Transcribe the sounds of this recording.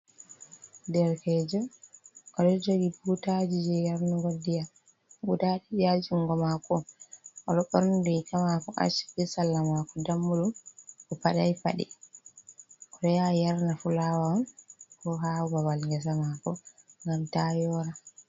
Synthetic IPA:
dɛɾkɛd͡ʒɔkaɗɔd͡ʒoɡibutad͡ʒid͡ʒɛjaɾnaɡodːija | ɡudaɗid͡ʒad͡ʒuŋɡɔmakɔɔɗɔɓɔɾndukʰamakɔʔa̰ʃi̥kisalːamakɔdamːuɗumkɔpaɗajpa̰ɗɛ̰ | ʔɔɗɔjajaɾnafulawaɔnkɔɦabawalŋɡɛs̬amakɔŋɡamtajɔɾa

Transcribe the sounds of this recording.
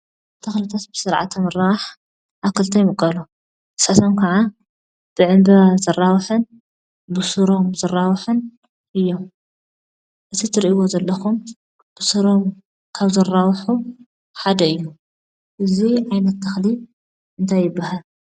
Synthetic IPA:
t̪ʰɐxlɨt̪ʰat̪̚bɨsɨɾʕa̰t̪ʰːɐmɨɾawaħ | ʔaβkʰɨlt̪ʰɐjmɨkʼːɐlu | ɨ̥sat̪ʰomkʰɐʕa | b̥ɨʕɨmbɐazɐrːawħɨn | bɨsɨɾo̞mzɐrːawħɨn | ʔɨjːom | ʔɨt̪ʰit̪ʰɨɾiʔiwozɐlːɐxum | b̥ɨsɨɾo̞m | kʰaβzɐrːawħu | ħad̪ɐɨjːu | ʔɨziʕajnɐt̪ːɐxli | ʔɨnt̪ʰajːɪbːahal

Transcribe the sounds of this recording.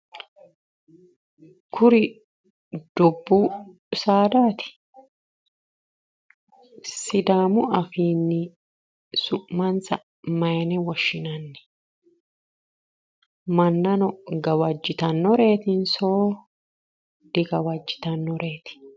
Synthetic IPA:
kʰʊɾɪ | d̪̥ʊbːuː | saːd̪aːt̪ɪ̥ | sɪd̪aːmʊɐfiːnːɪ | sʊʔmɐnsɐ | mɐjnɛwɐʃːɪnɐnːɛ̥ | mɐnːɐnɔɡɐwɐd͡ʒːɪt̪ɐnːɔɾe̞ːt̪ɪnsoː | d̪̥ɪɡɐwɐd͡ʒːɪ̥t̪ɐnːɔɾe̞ːt̪ɪ̥

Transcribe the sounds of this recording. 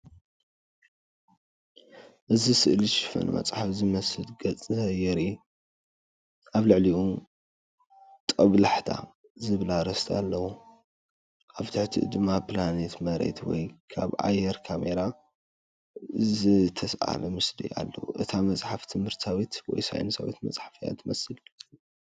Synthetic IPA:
ʔɨzisɨʔliʃɪfɐ̰nmɐ̰t͡sʼħafzɨmɐsɨlɡɐt͡sʼɨɐjɛɾi | ʔaβlɨʕliu | t̪ʼɐβlaħt̪ʰa̰ | zɨβlaɾɐst̪ʰa̰lːɐwu | ʔaβt̪ʰɨħt̪ʰḭd̪ɨmːaplanet̪mɐɾḛt̪wɔ̰jkʰa̰βʔa̰jːɛɾkʰameɾa | zɨt̪ʰɐsʔa̰lɐmɨslḭa̰lːɐ̰wuʔɨt̪ʰamɐt͡sʼħaft̪ʰɨmhɨɾt̪sawit̪wɔ̰jsa̰jnɨsa̰wḭt̪mɐ̰t͡sʼħafija̰t̪ʰɨmɐsɨlɡt͡sʼ

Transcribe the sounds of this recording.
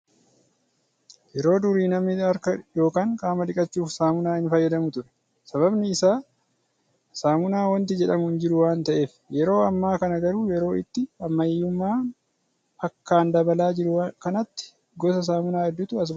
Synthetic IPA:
jɛɾo̞ːd̪ʊɾiːnɐmɪɐɾkɐjo̞ːkaːŋkʼaːmɐᶑ̪ɪkʼɐt͡ʃːuːfsaːmʊnaːhɪnfɐjːɐd̪ɐmʊt̪ʊɾɛ̥ | sɐβɐbnɪːsaː | saːmʊnaːwɐnt̪̬ɪd͡ʒɛᶑɐmʊhɪnd͡ʒɪɾʊwaːnt̪ɐʔe̞ːf | jɛɾo̞ːɐmːaːkɐnɐɡɐɾuːjɛɾo̞ːɪ̰t̪ːɪɐmːɐjːʊmːaː | hɐkːaːnd̪ɐbɐlaːd͡ʒɪɾʊkɐnɐt̪ːɪ̥ | ɡɔsɐs̬aːmʊnaːhɛd̪ːʊt̪ʊɐs̬

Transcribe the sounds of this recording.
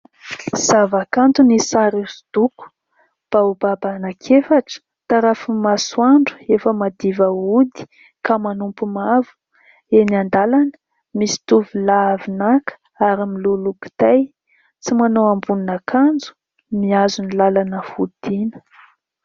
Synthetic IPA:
z̥avakant̪unisaɾisu̥d̪̥uku̥ | b̥aubabanakʰefaʈ͡ʂə̥ | t̪aɾafumaswaɳɖ͡ʐu̥efəmad̪ivəud̪i̥ | kamanumpumavu̥ | eniand̪alanə̥ | misi̥t̪uvilavinakʰə̥ | aɾimiluluki̥t̪aj | t͡simanowambuninakʰand͡zu̥ | miazunilalanəfud̪̥inə̥

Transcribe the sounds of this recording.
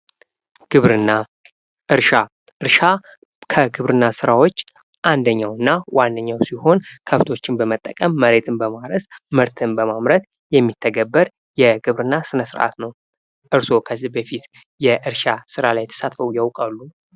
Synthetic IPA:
ɡ̥ɨβɾɨnːa | ʔɨɾʃa | ʔɨɾʃa | kʰəɡɨβɾɨnːasɨɾawot͡ʃː | ʔand̪əɲːawɨnːawanːəɲːawsiho̞nkʰəft̪ʰo̞t͡ʃːɪnbəmət̪ʼːəkʼəmːəɾet̪ʰɨnbəmaɾəsmɨɾt̪ʰɨnbəmamɾət̪ | jɛmːit̪ʰːəɡəbːəɾ | jɛɡɨβɾɨnːasɨnəsɨɾʔa̰t̪nəw | ʔɨɾso̞kʰəzːihbəfit̪ | jɛʔɨɾʃasɨɾalajɛt̪ʰə̥sat̪fəwujawkʼalːu

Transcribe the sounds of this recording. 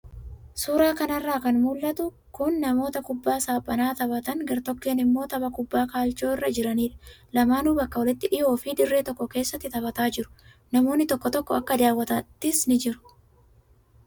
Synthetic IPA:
suːɾaːkɐnɐrːaːkɐnmuːlːɐt̪ʊ | kʊnːɐmo̞ːt̪ɐkʊbːaːsaːpʼːɐnaːt̪ɐβɐt̪ɐnɡɐɾt̪ɔkːe̞ːnɪmːo̞ːt̪ɐbɐkʊbːaːkaːlt͡ʃo̞ːɪrːɐd͡ʒɪɾɐniːᶑɐ̥lɐmaːnuːbɐkːɐwɔlɪt̪ːɪᶑɪʔo̞ːfiːᶑ̪ɪrːeːt̪ɔkːɔke̞ːsːɐt̪ːɪt̪ɐbɐt̪aːd͡ʒɪɾʊ̥ | nɐmo̞ːnːɪt̪ɔkːɔt̪ɔkːɔɐkːɐd̪aːwːɐt̪ɐt̪ːɪsnɪd͡ʒɪɾʊ̥

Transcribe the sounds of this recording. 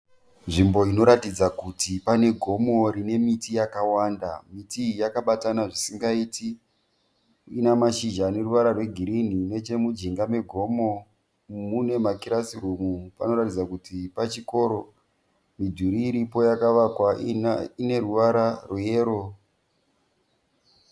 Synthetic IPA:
nʐimbo̞ino̞ɾatid͡zakutipane̞ɡʱo̞mo̞ɾine̞mitijakawanda̰mitijakaɓatanaʐisiŋɡaiti | inamaʃiʒane̞ruʋaɾarwe̞ɡʱiɾin̤ine̞t͡ʃe̞mud͡ʒiŋɡame̞ɡʱo̞mo̞ | mune̞makiɾasirumupano̞ɾatid͡zakutipat͡ʃiko̞ɾo̞ | midʱuɾiːɾipo̞jakaʋakwaine̞ɾuʋaɾarwojeːɾo

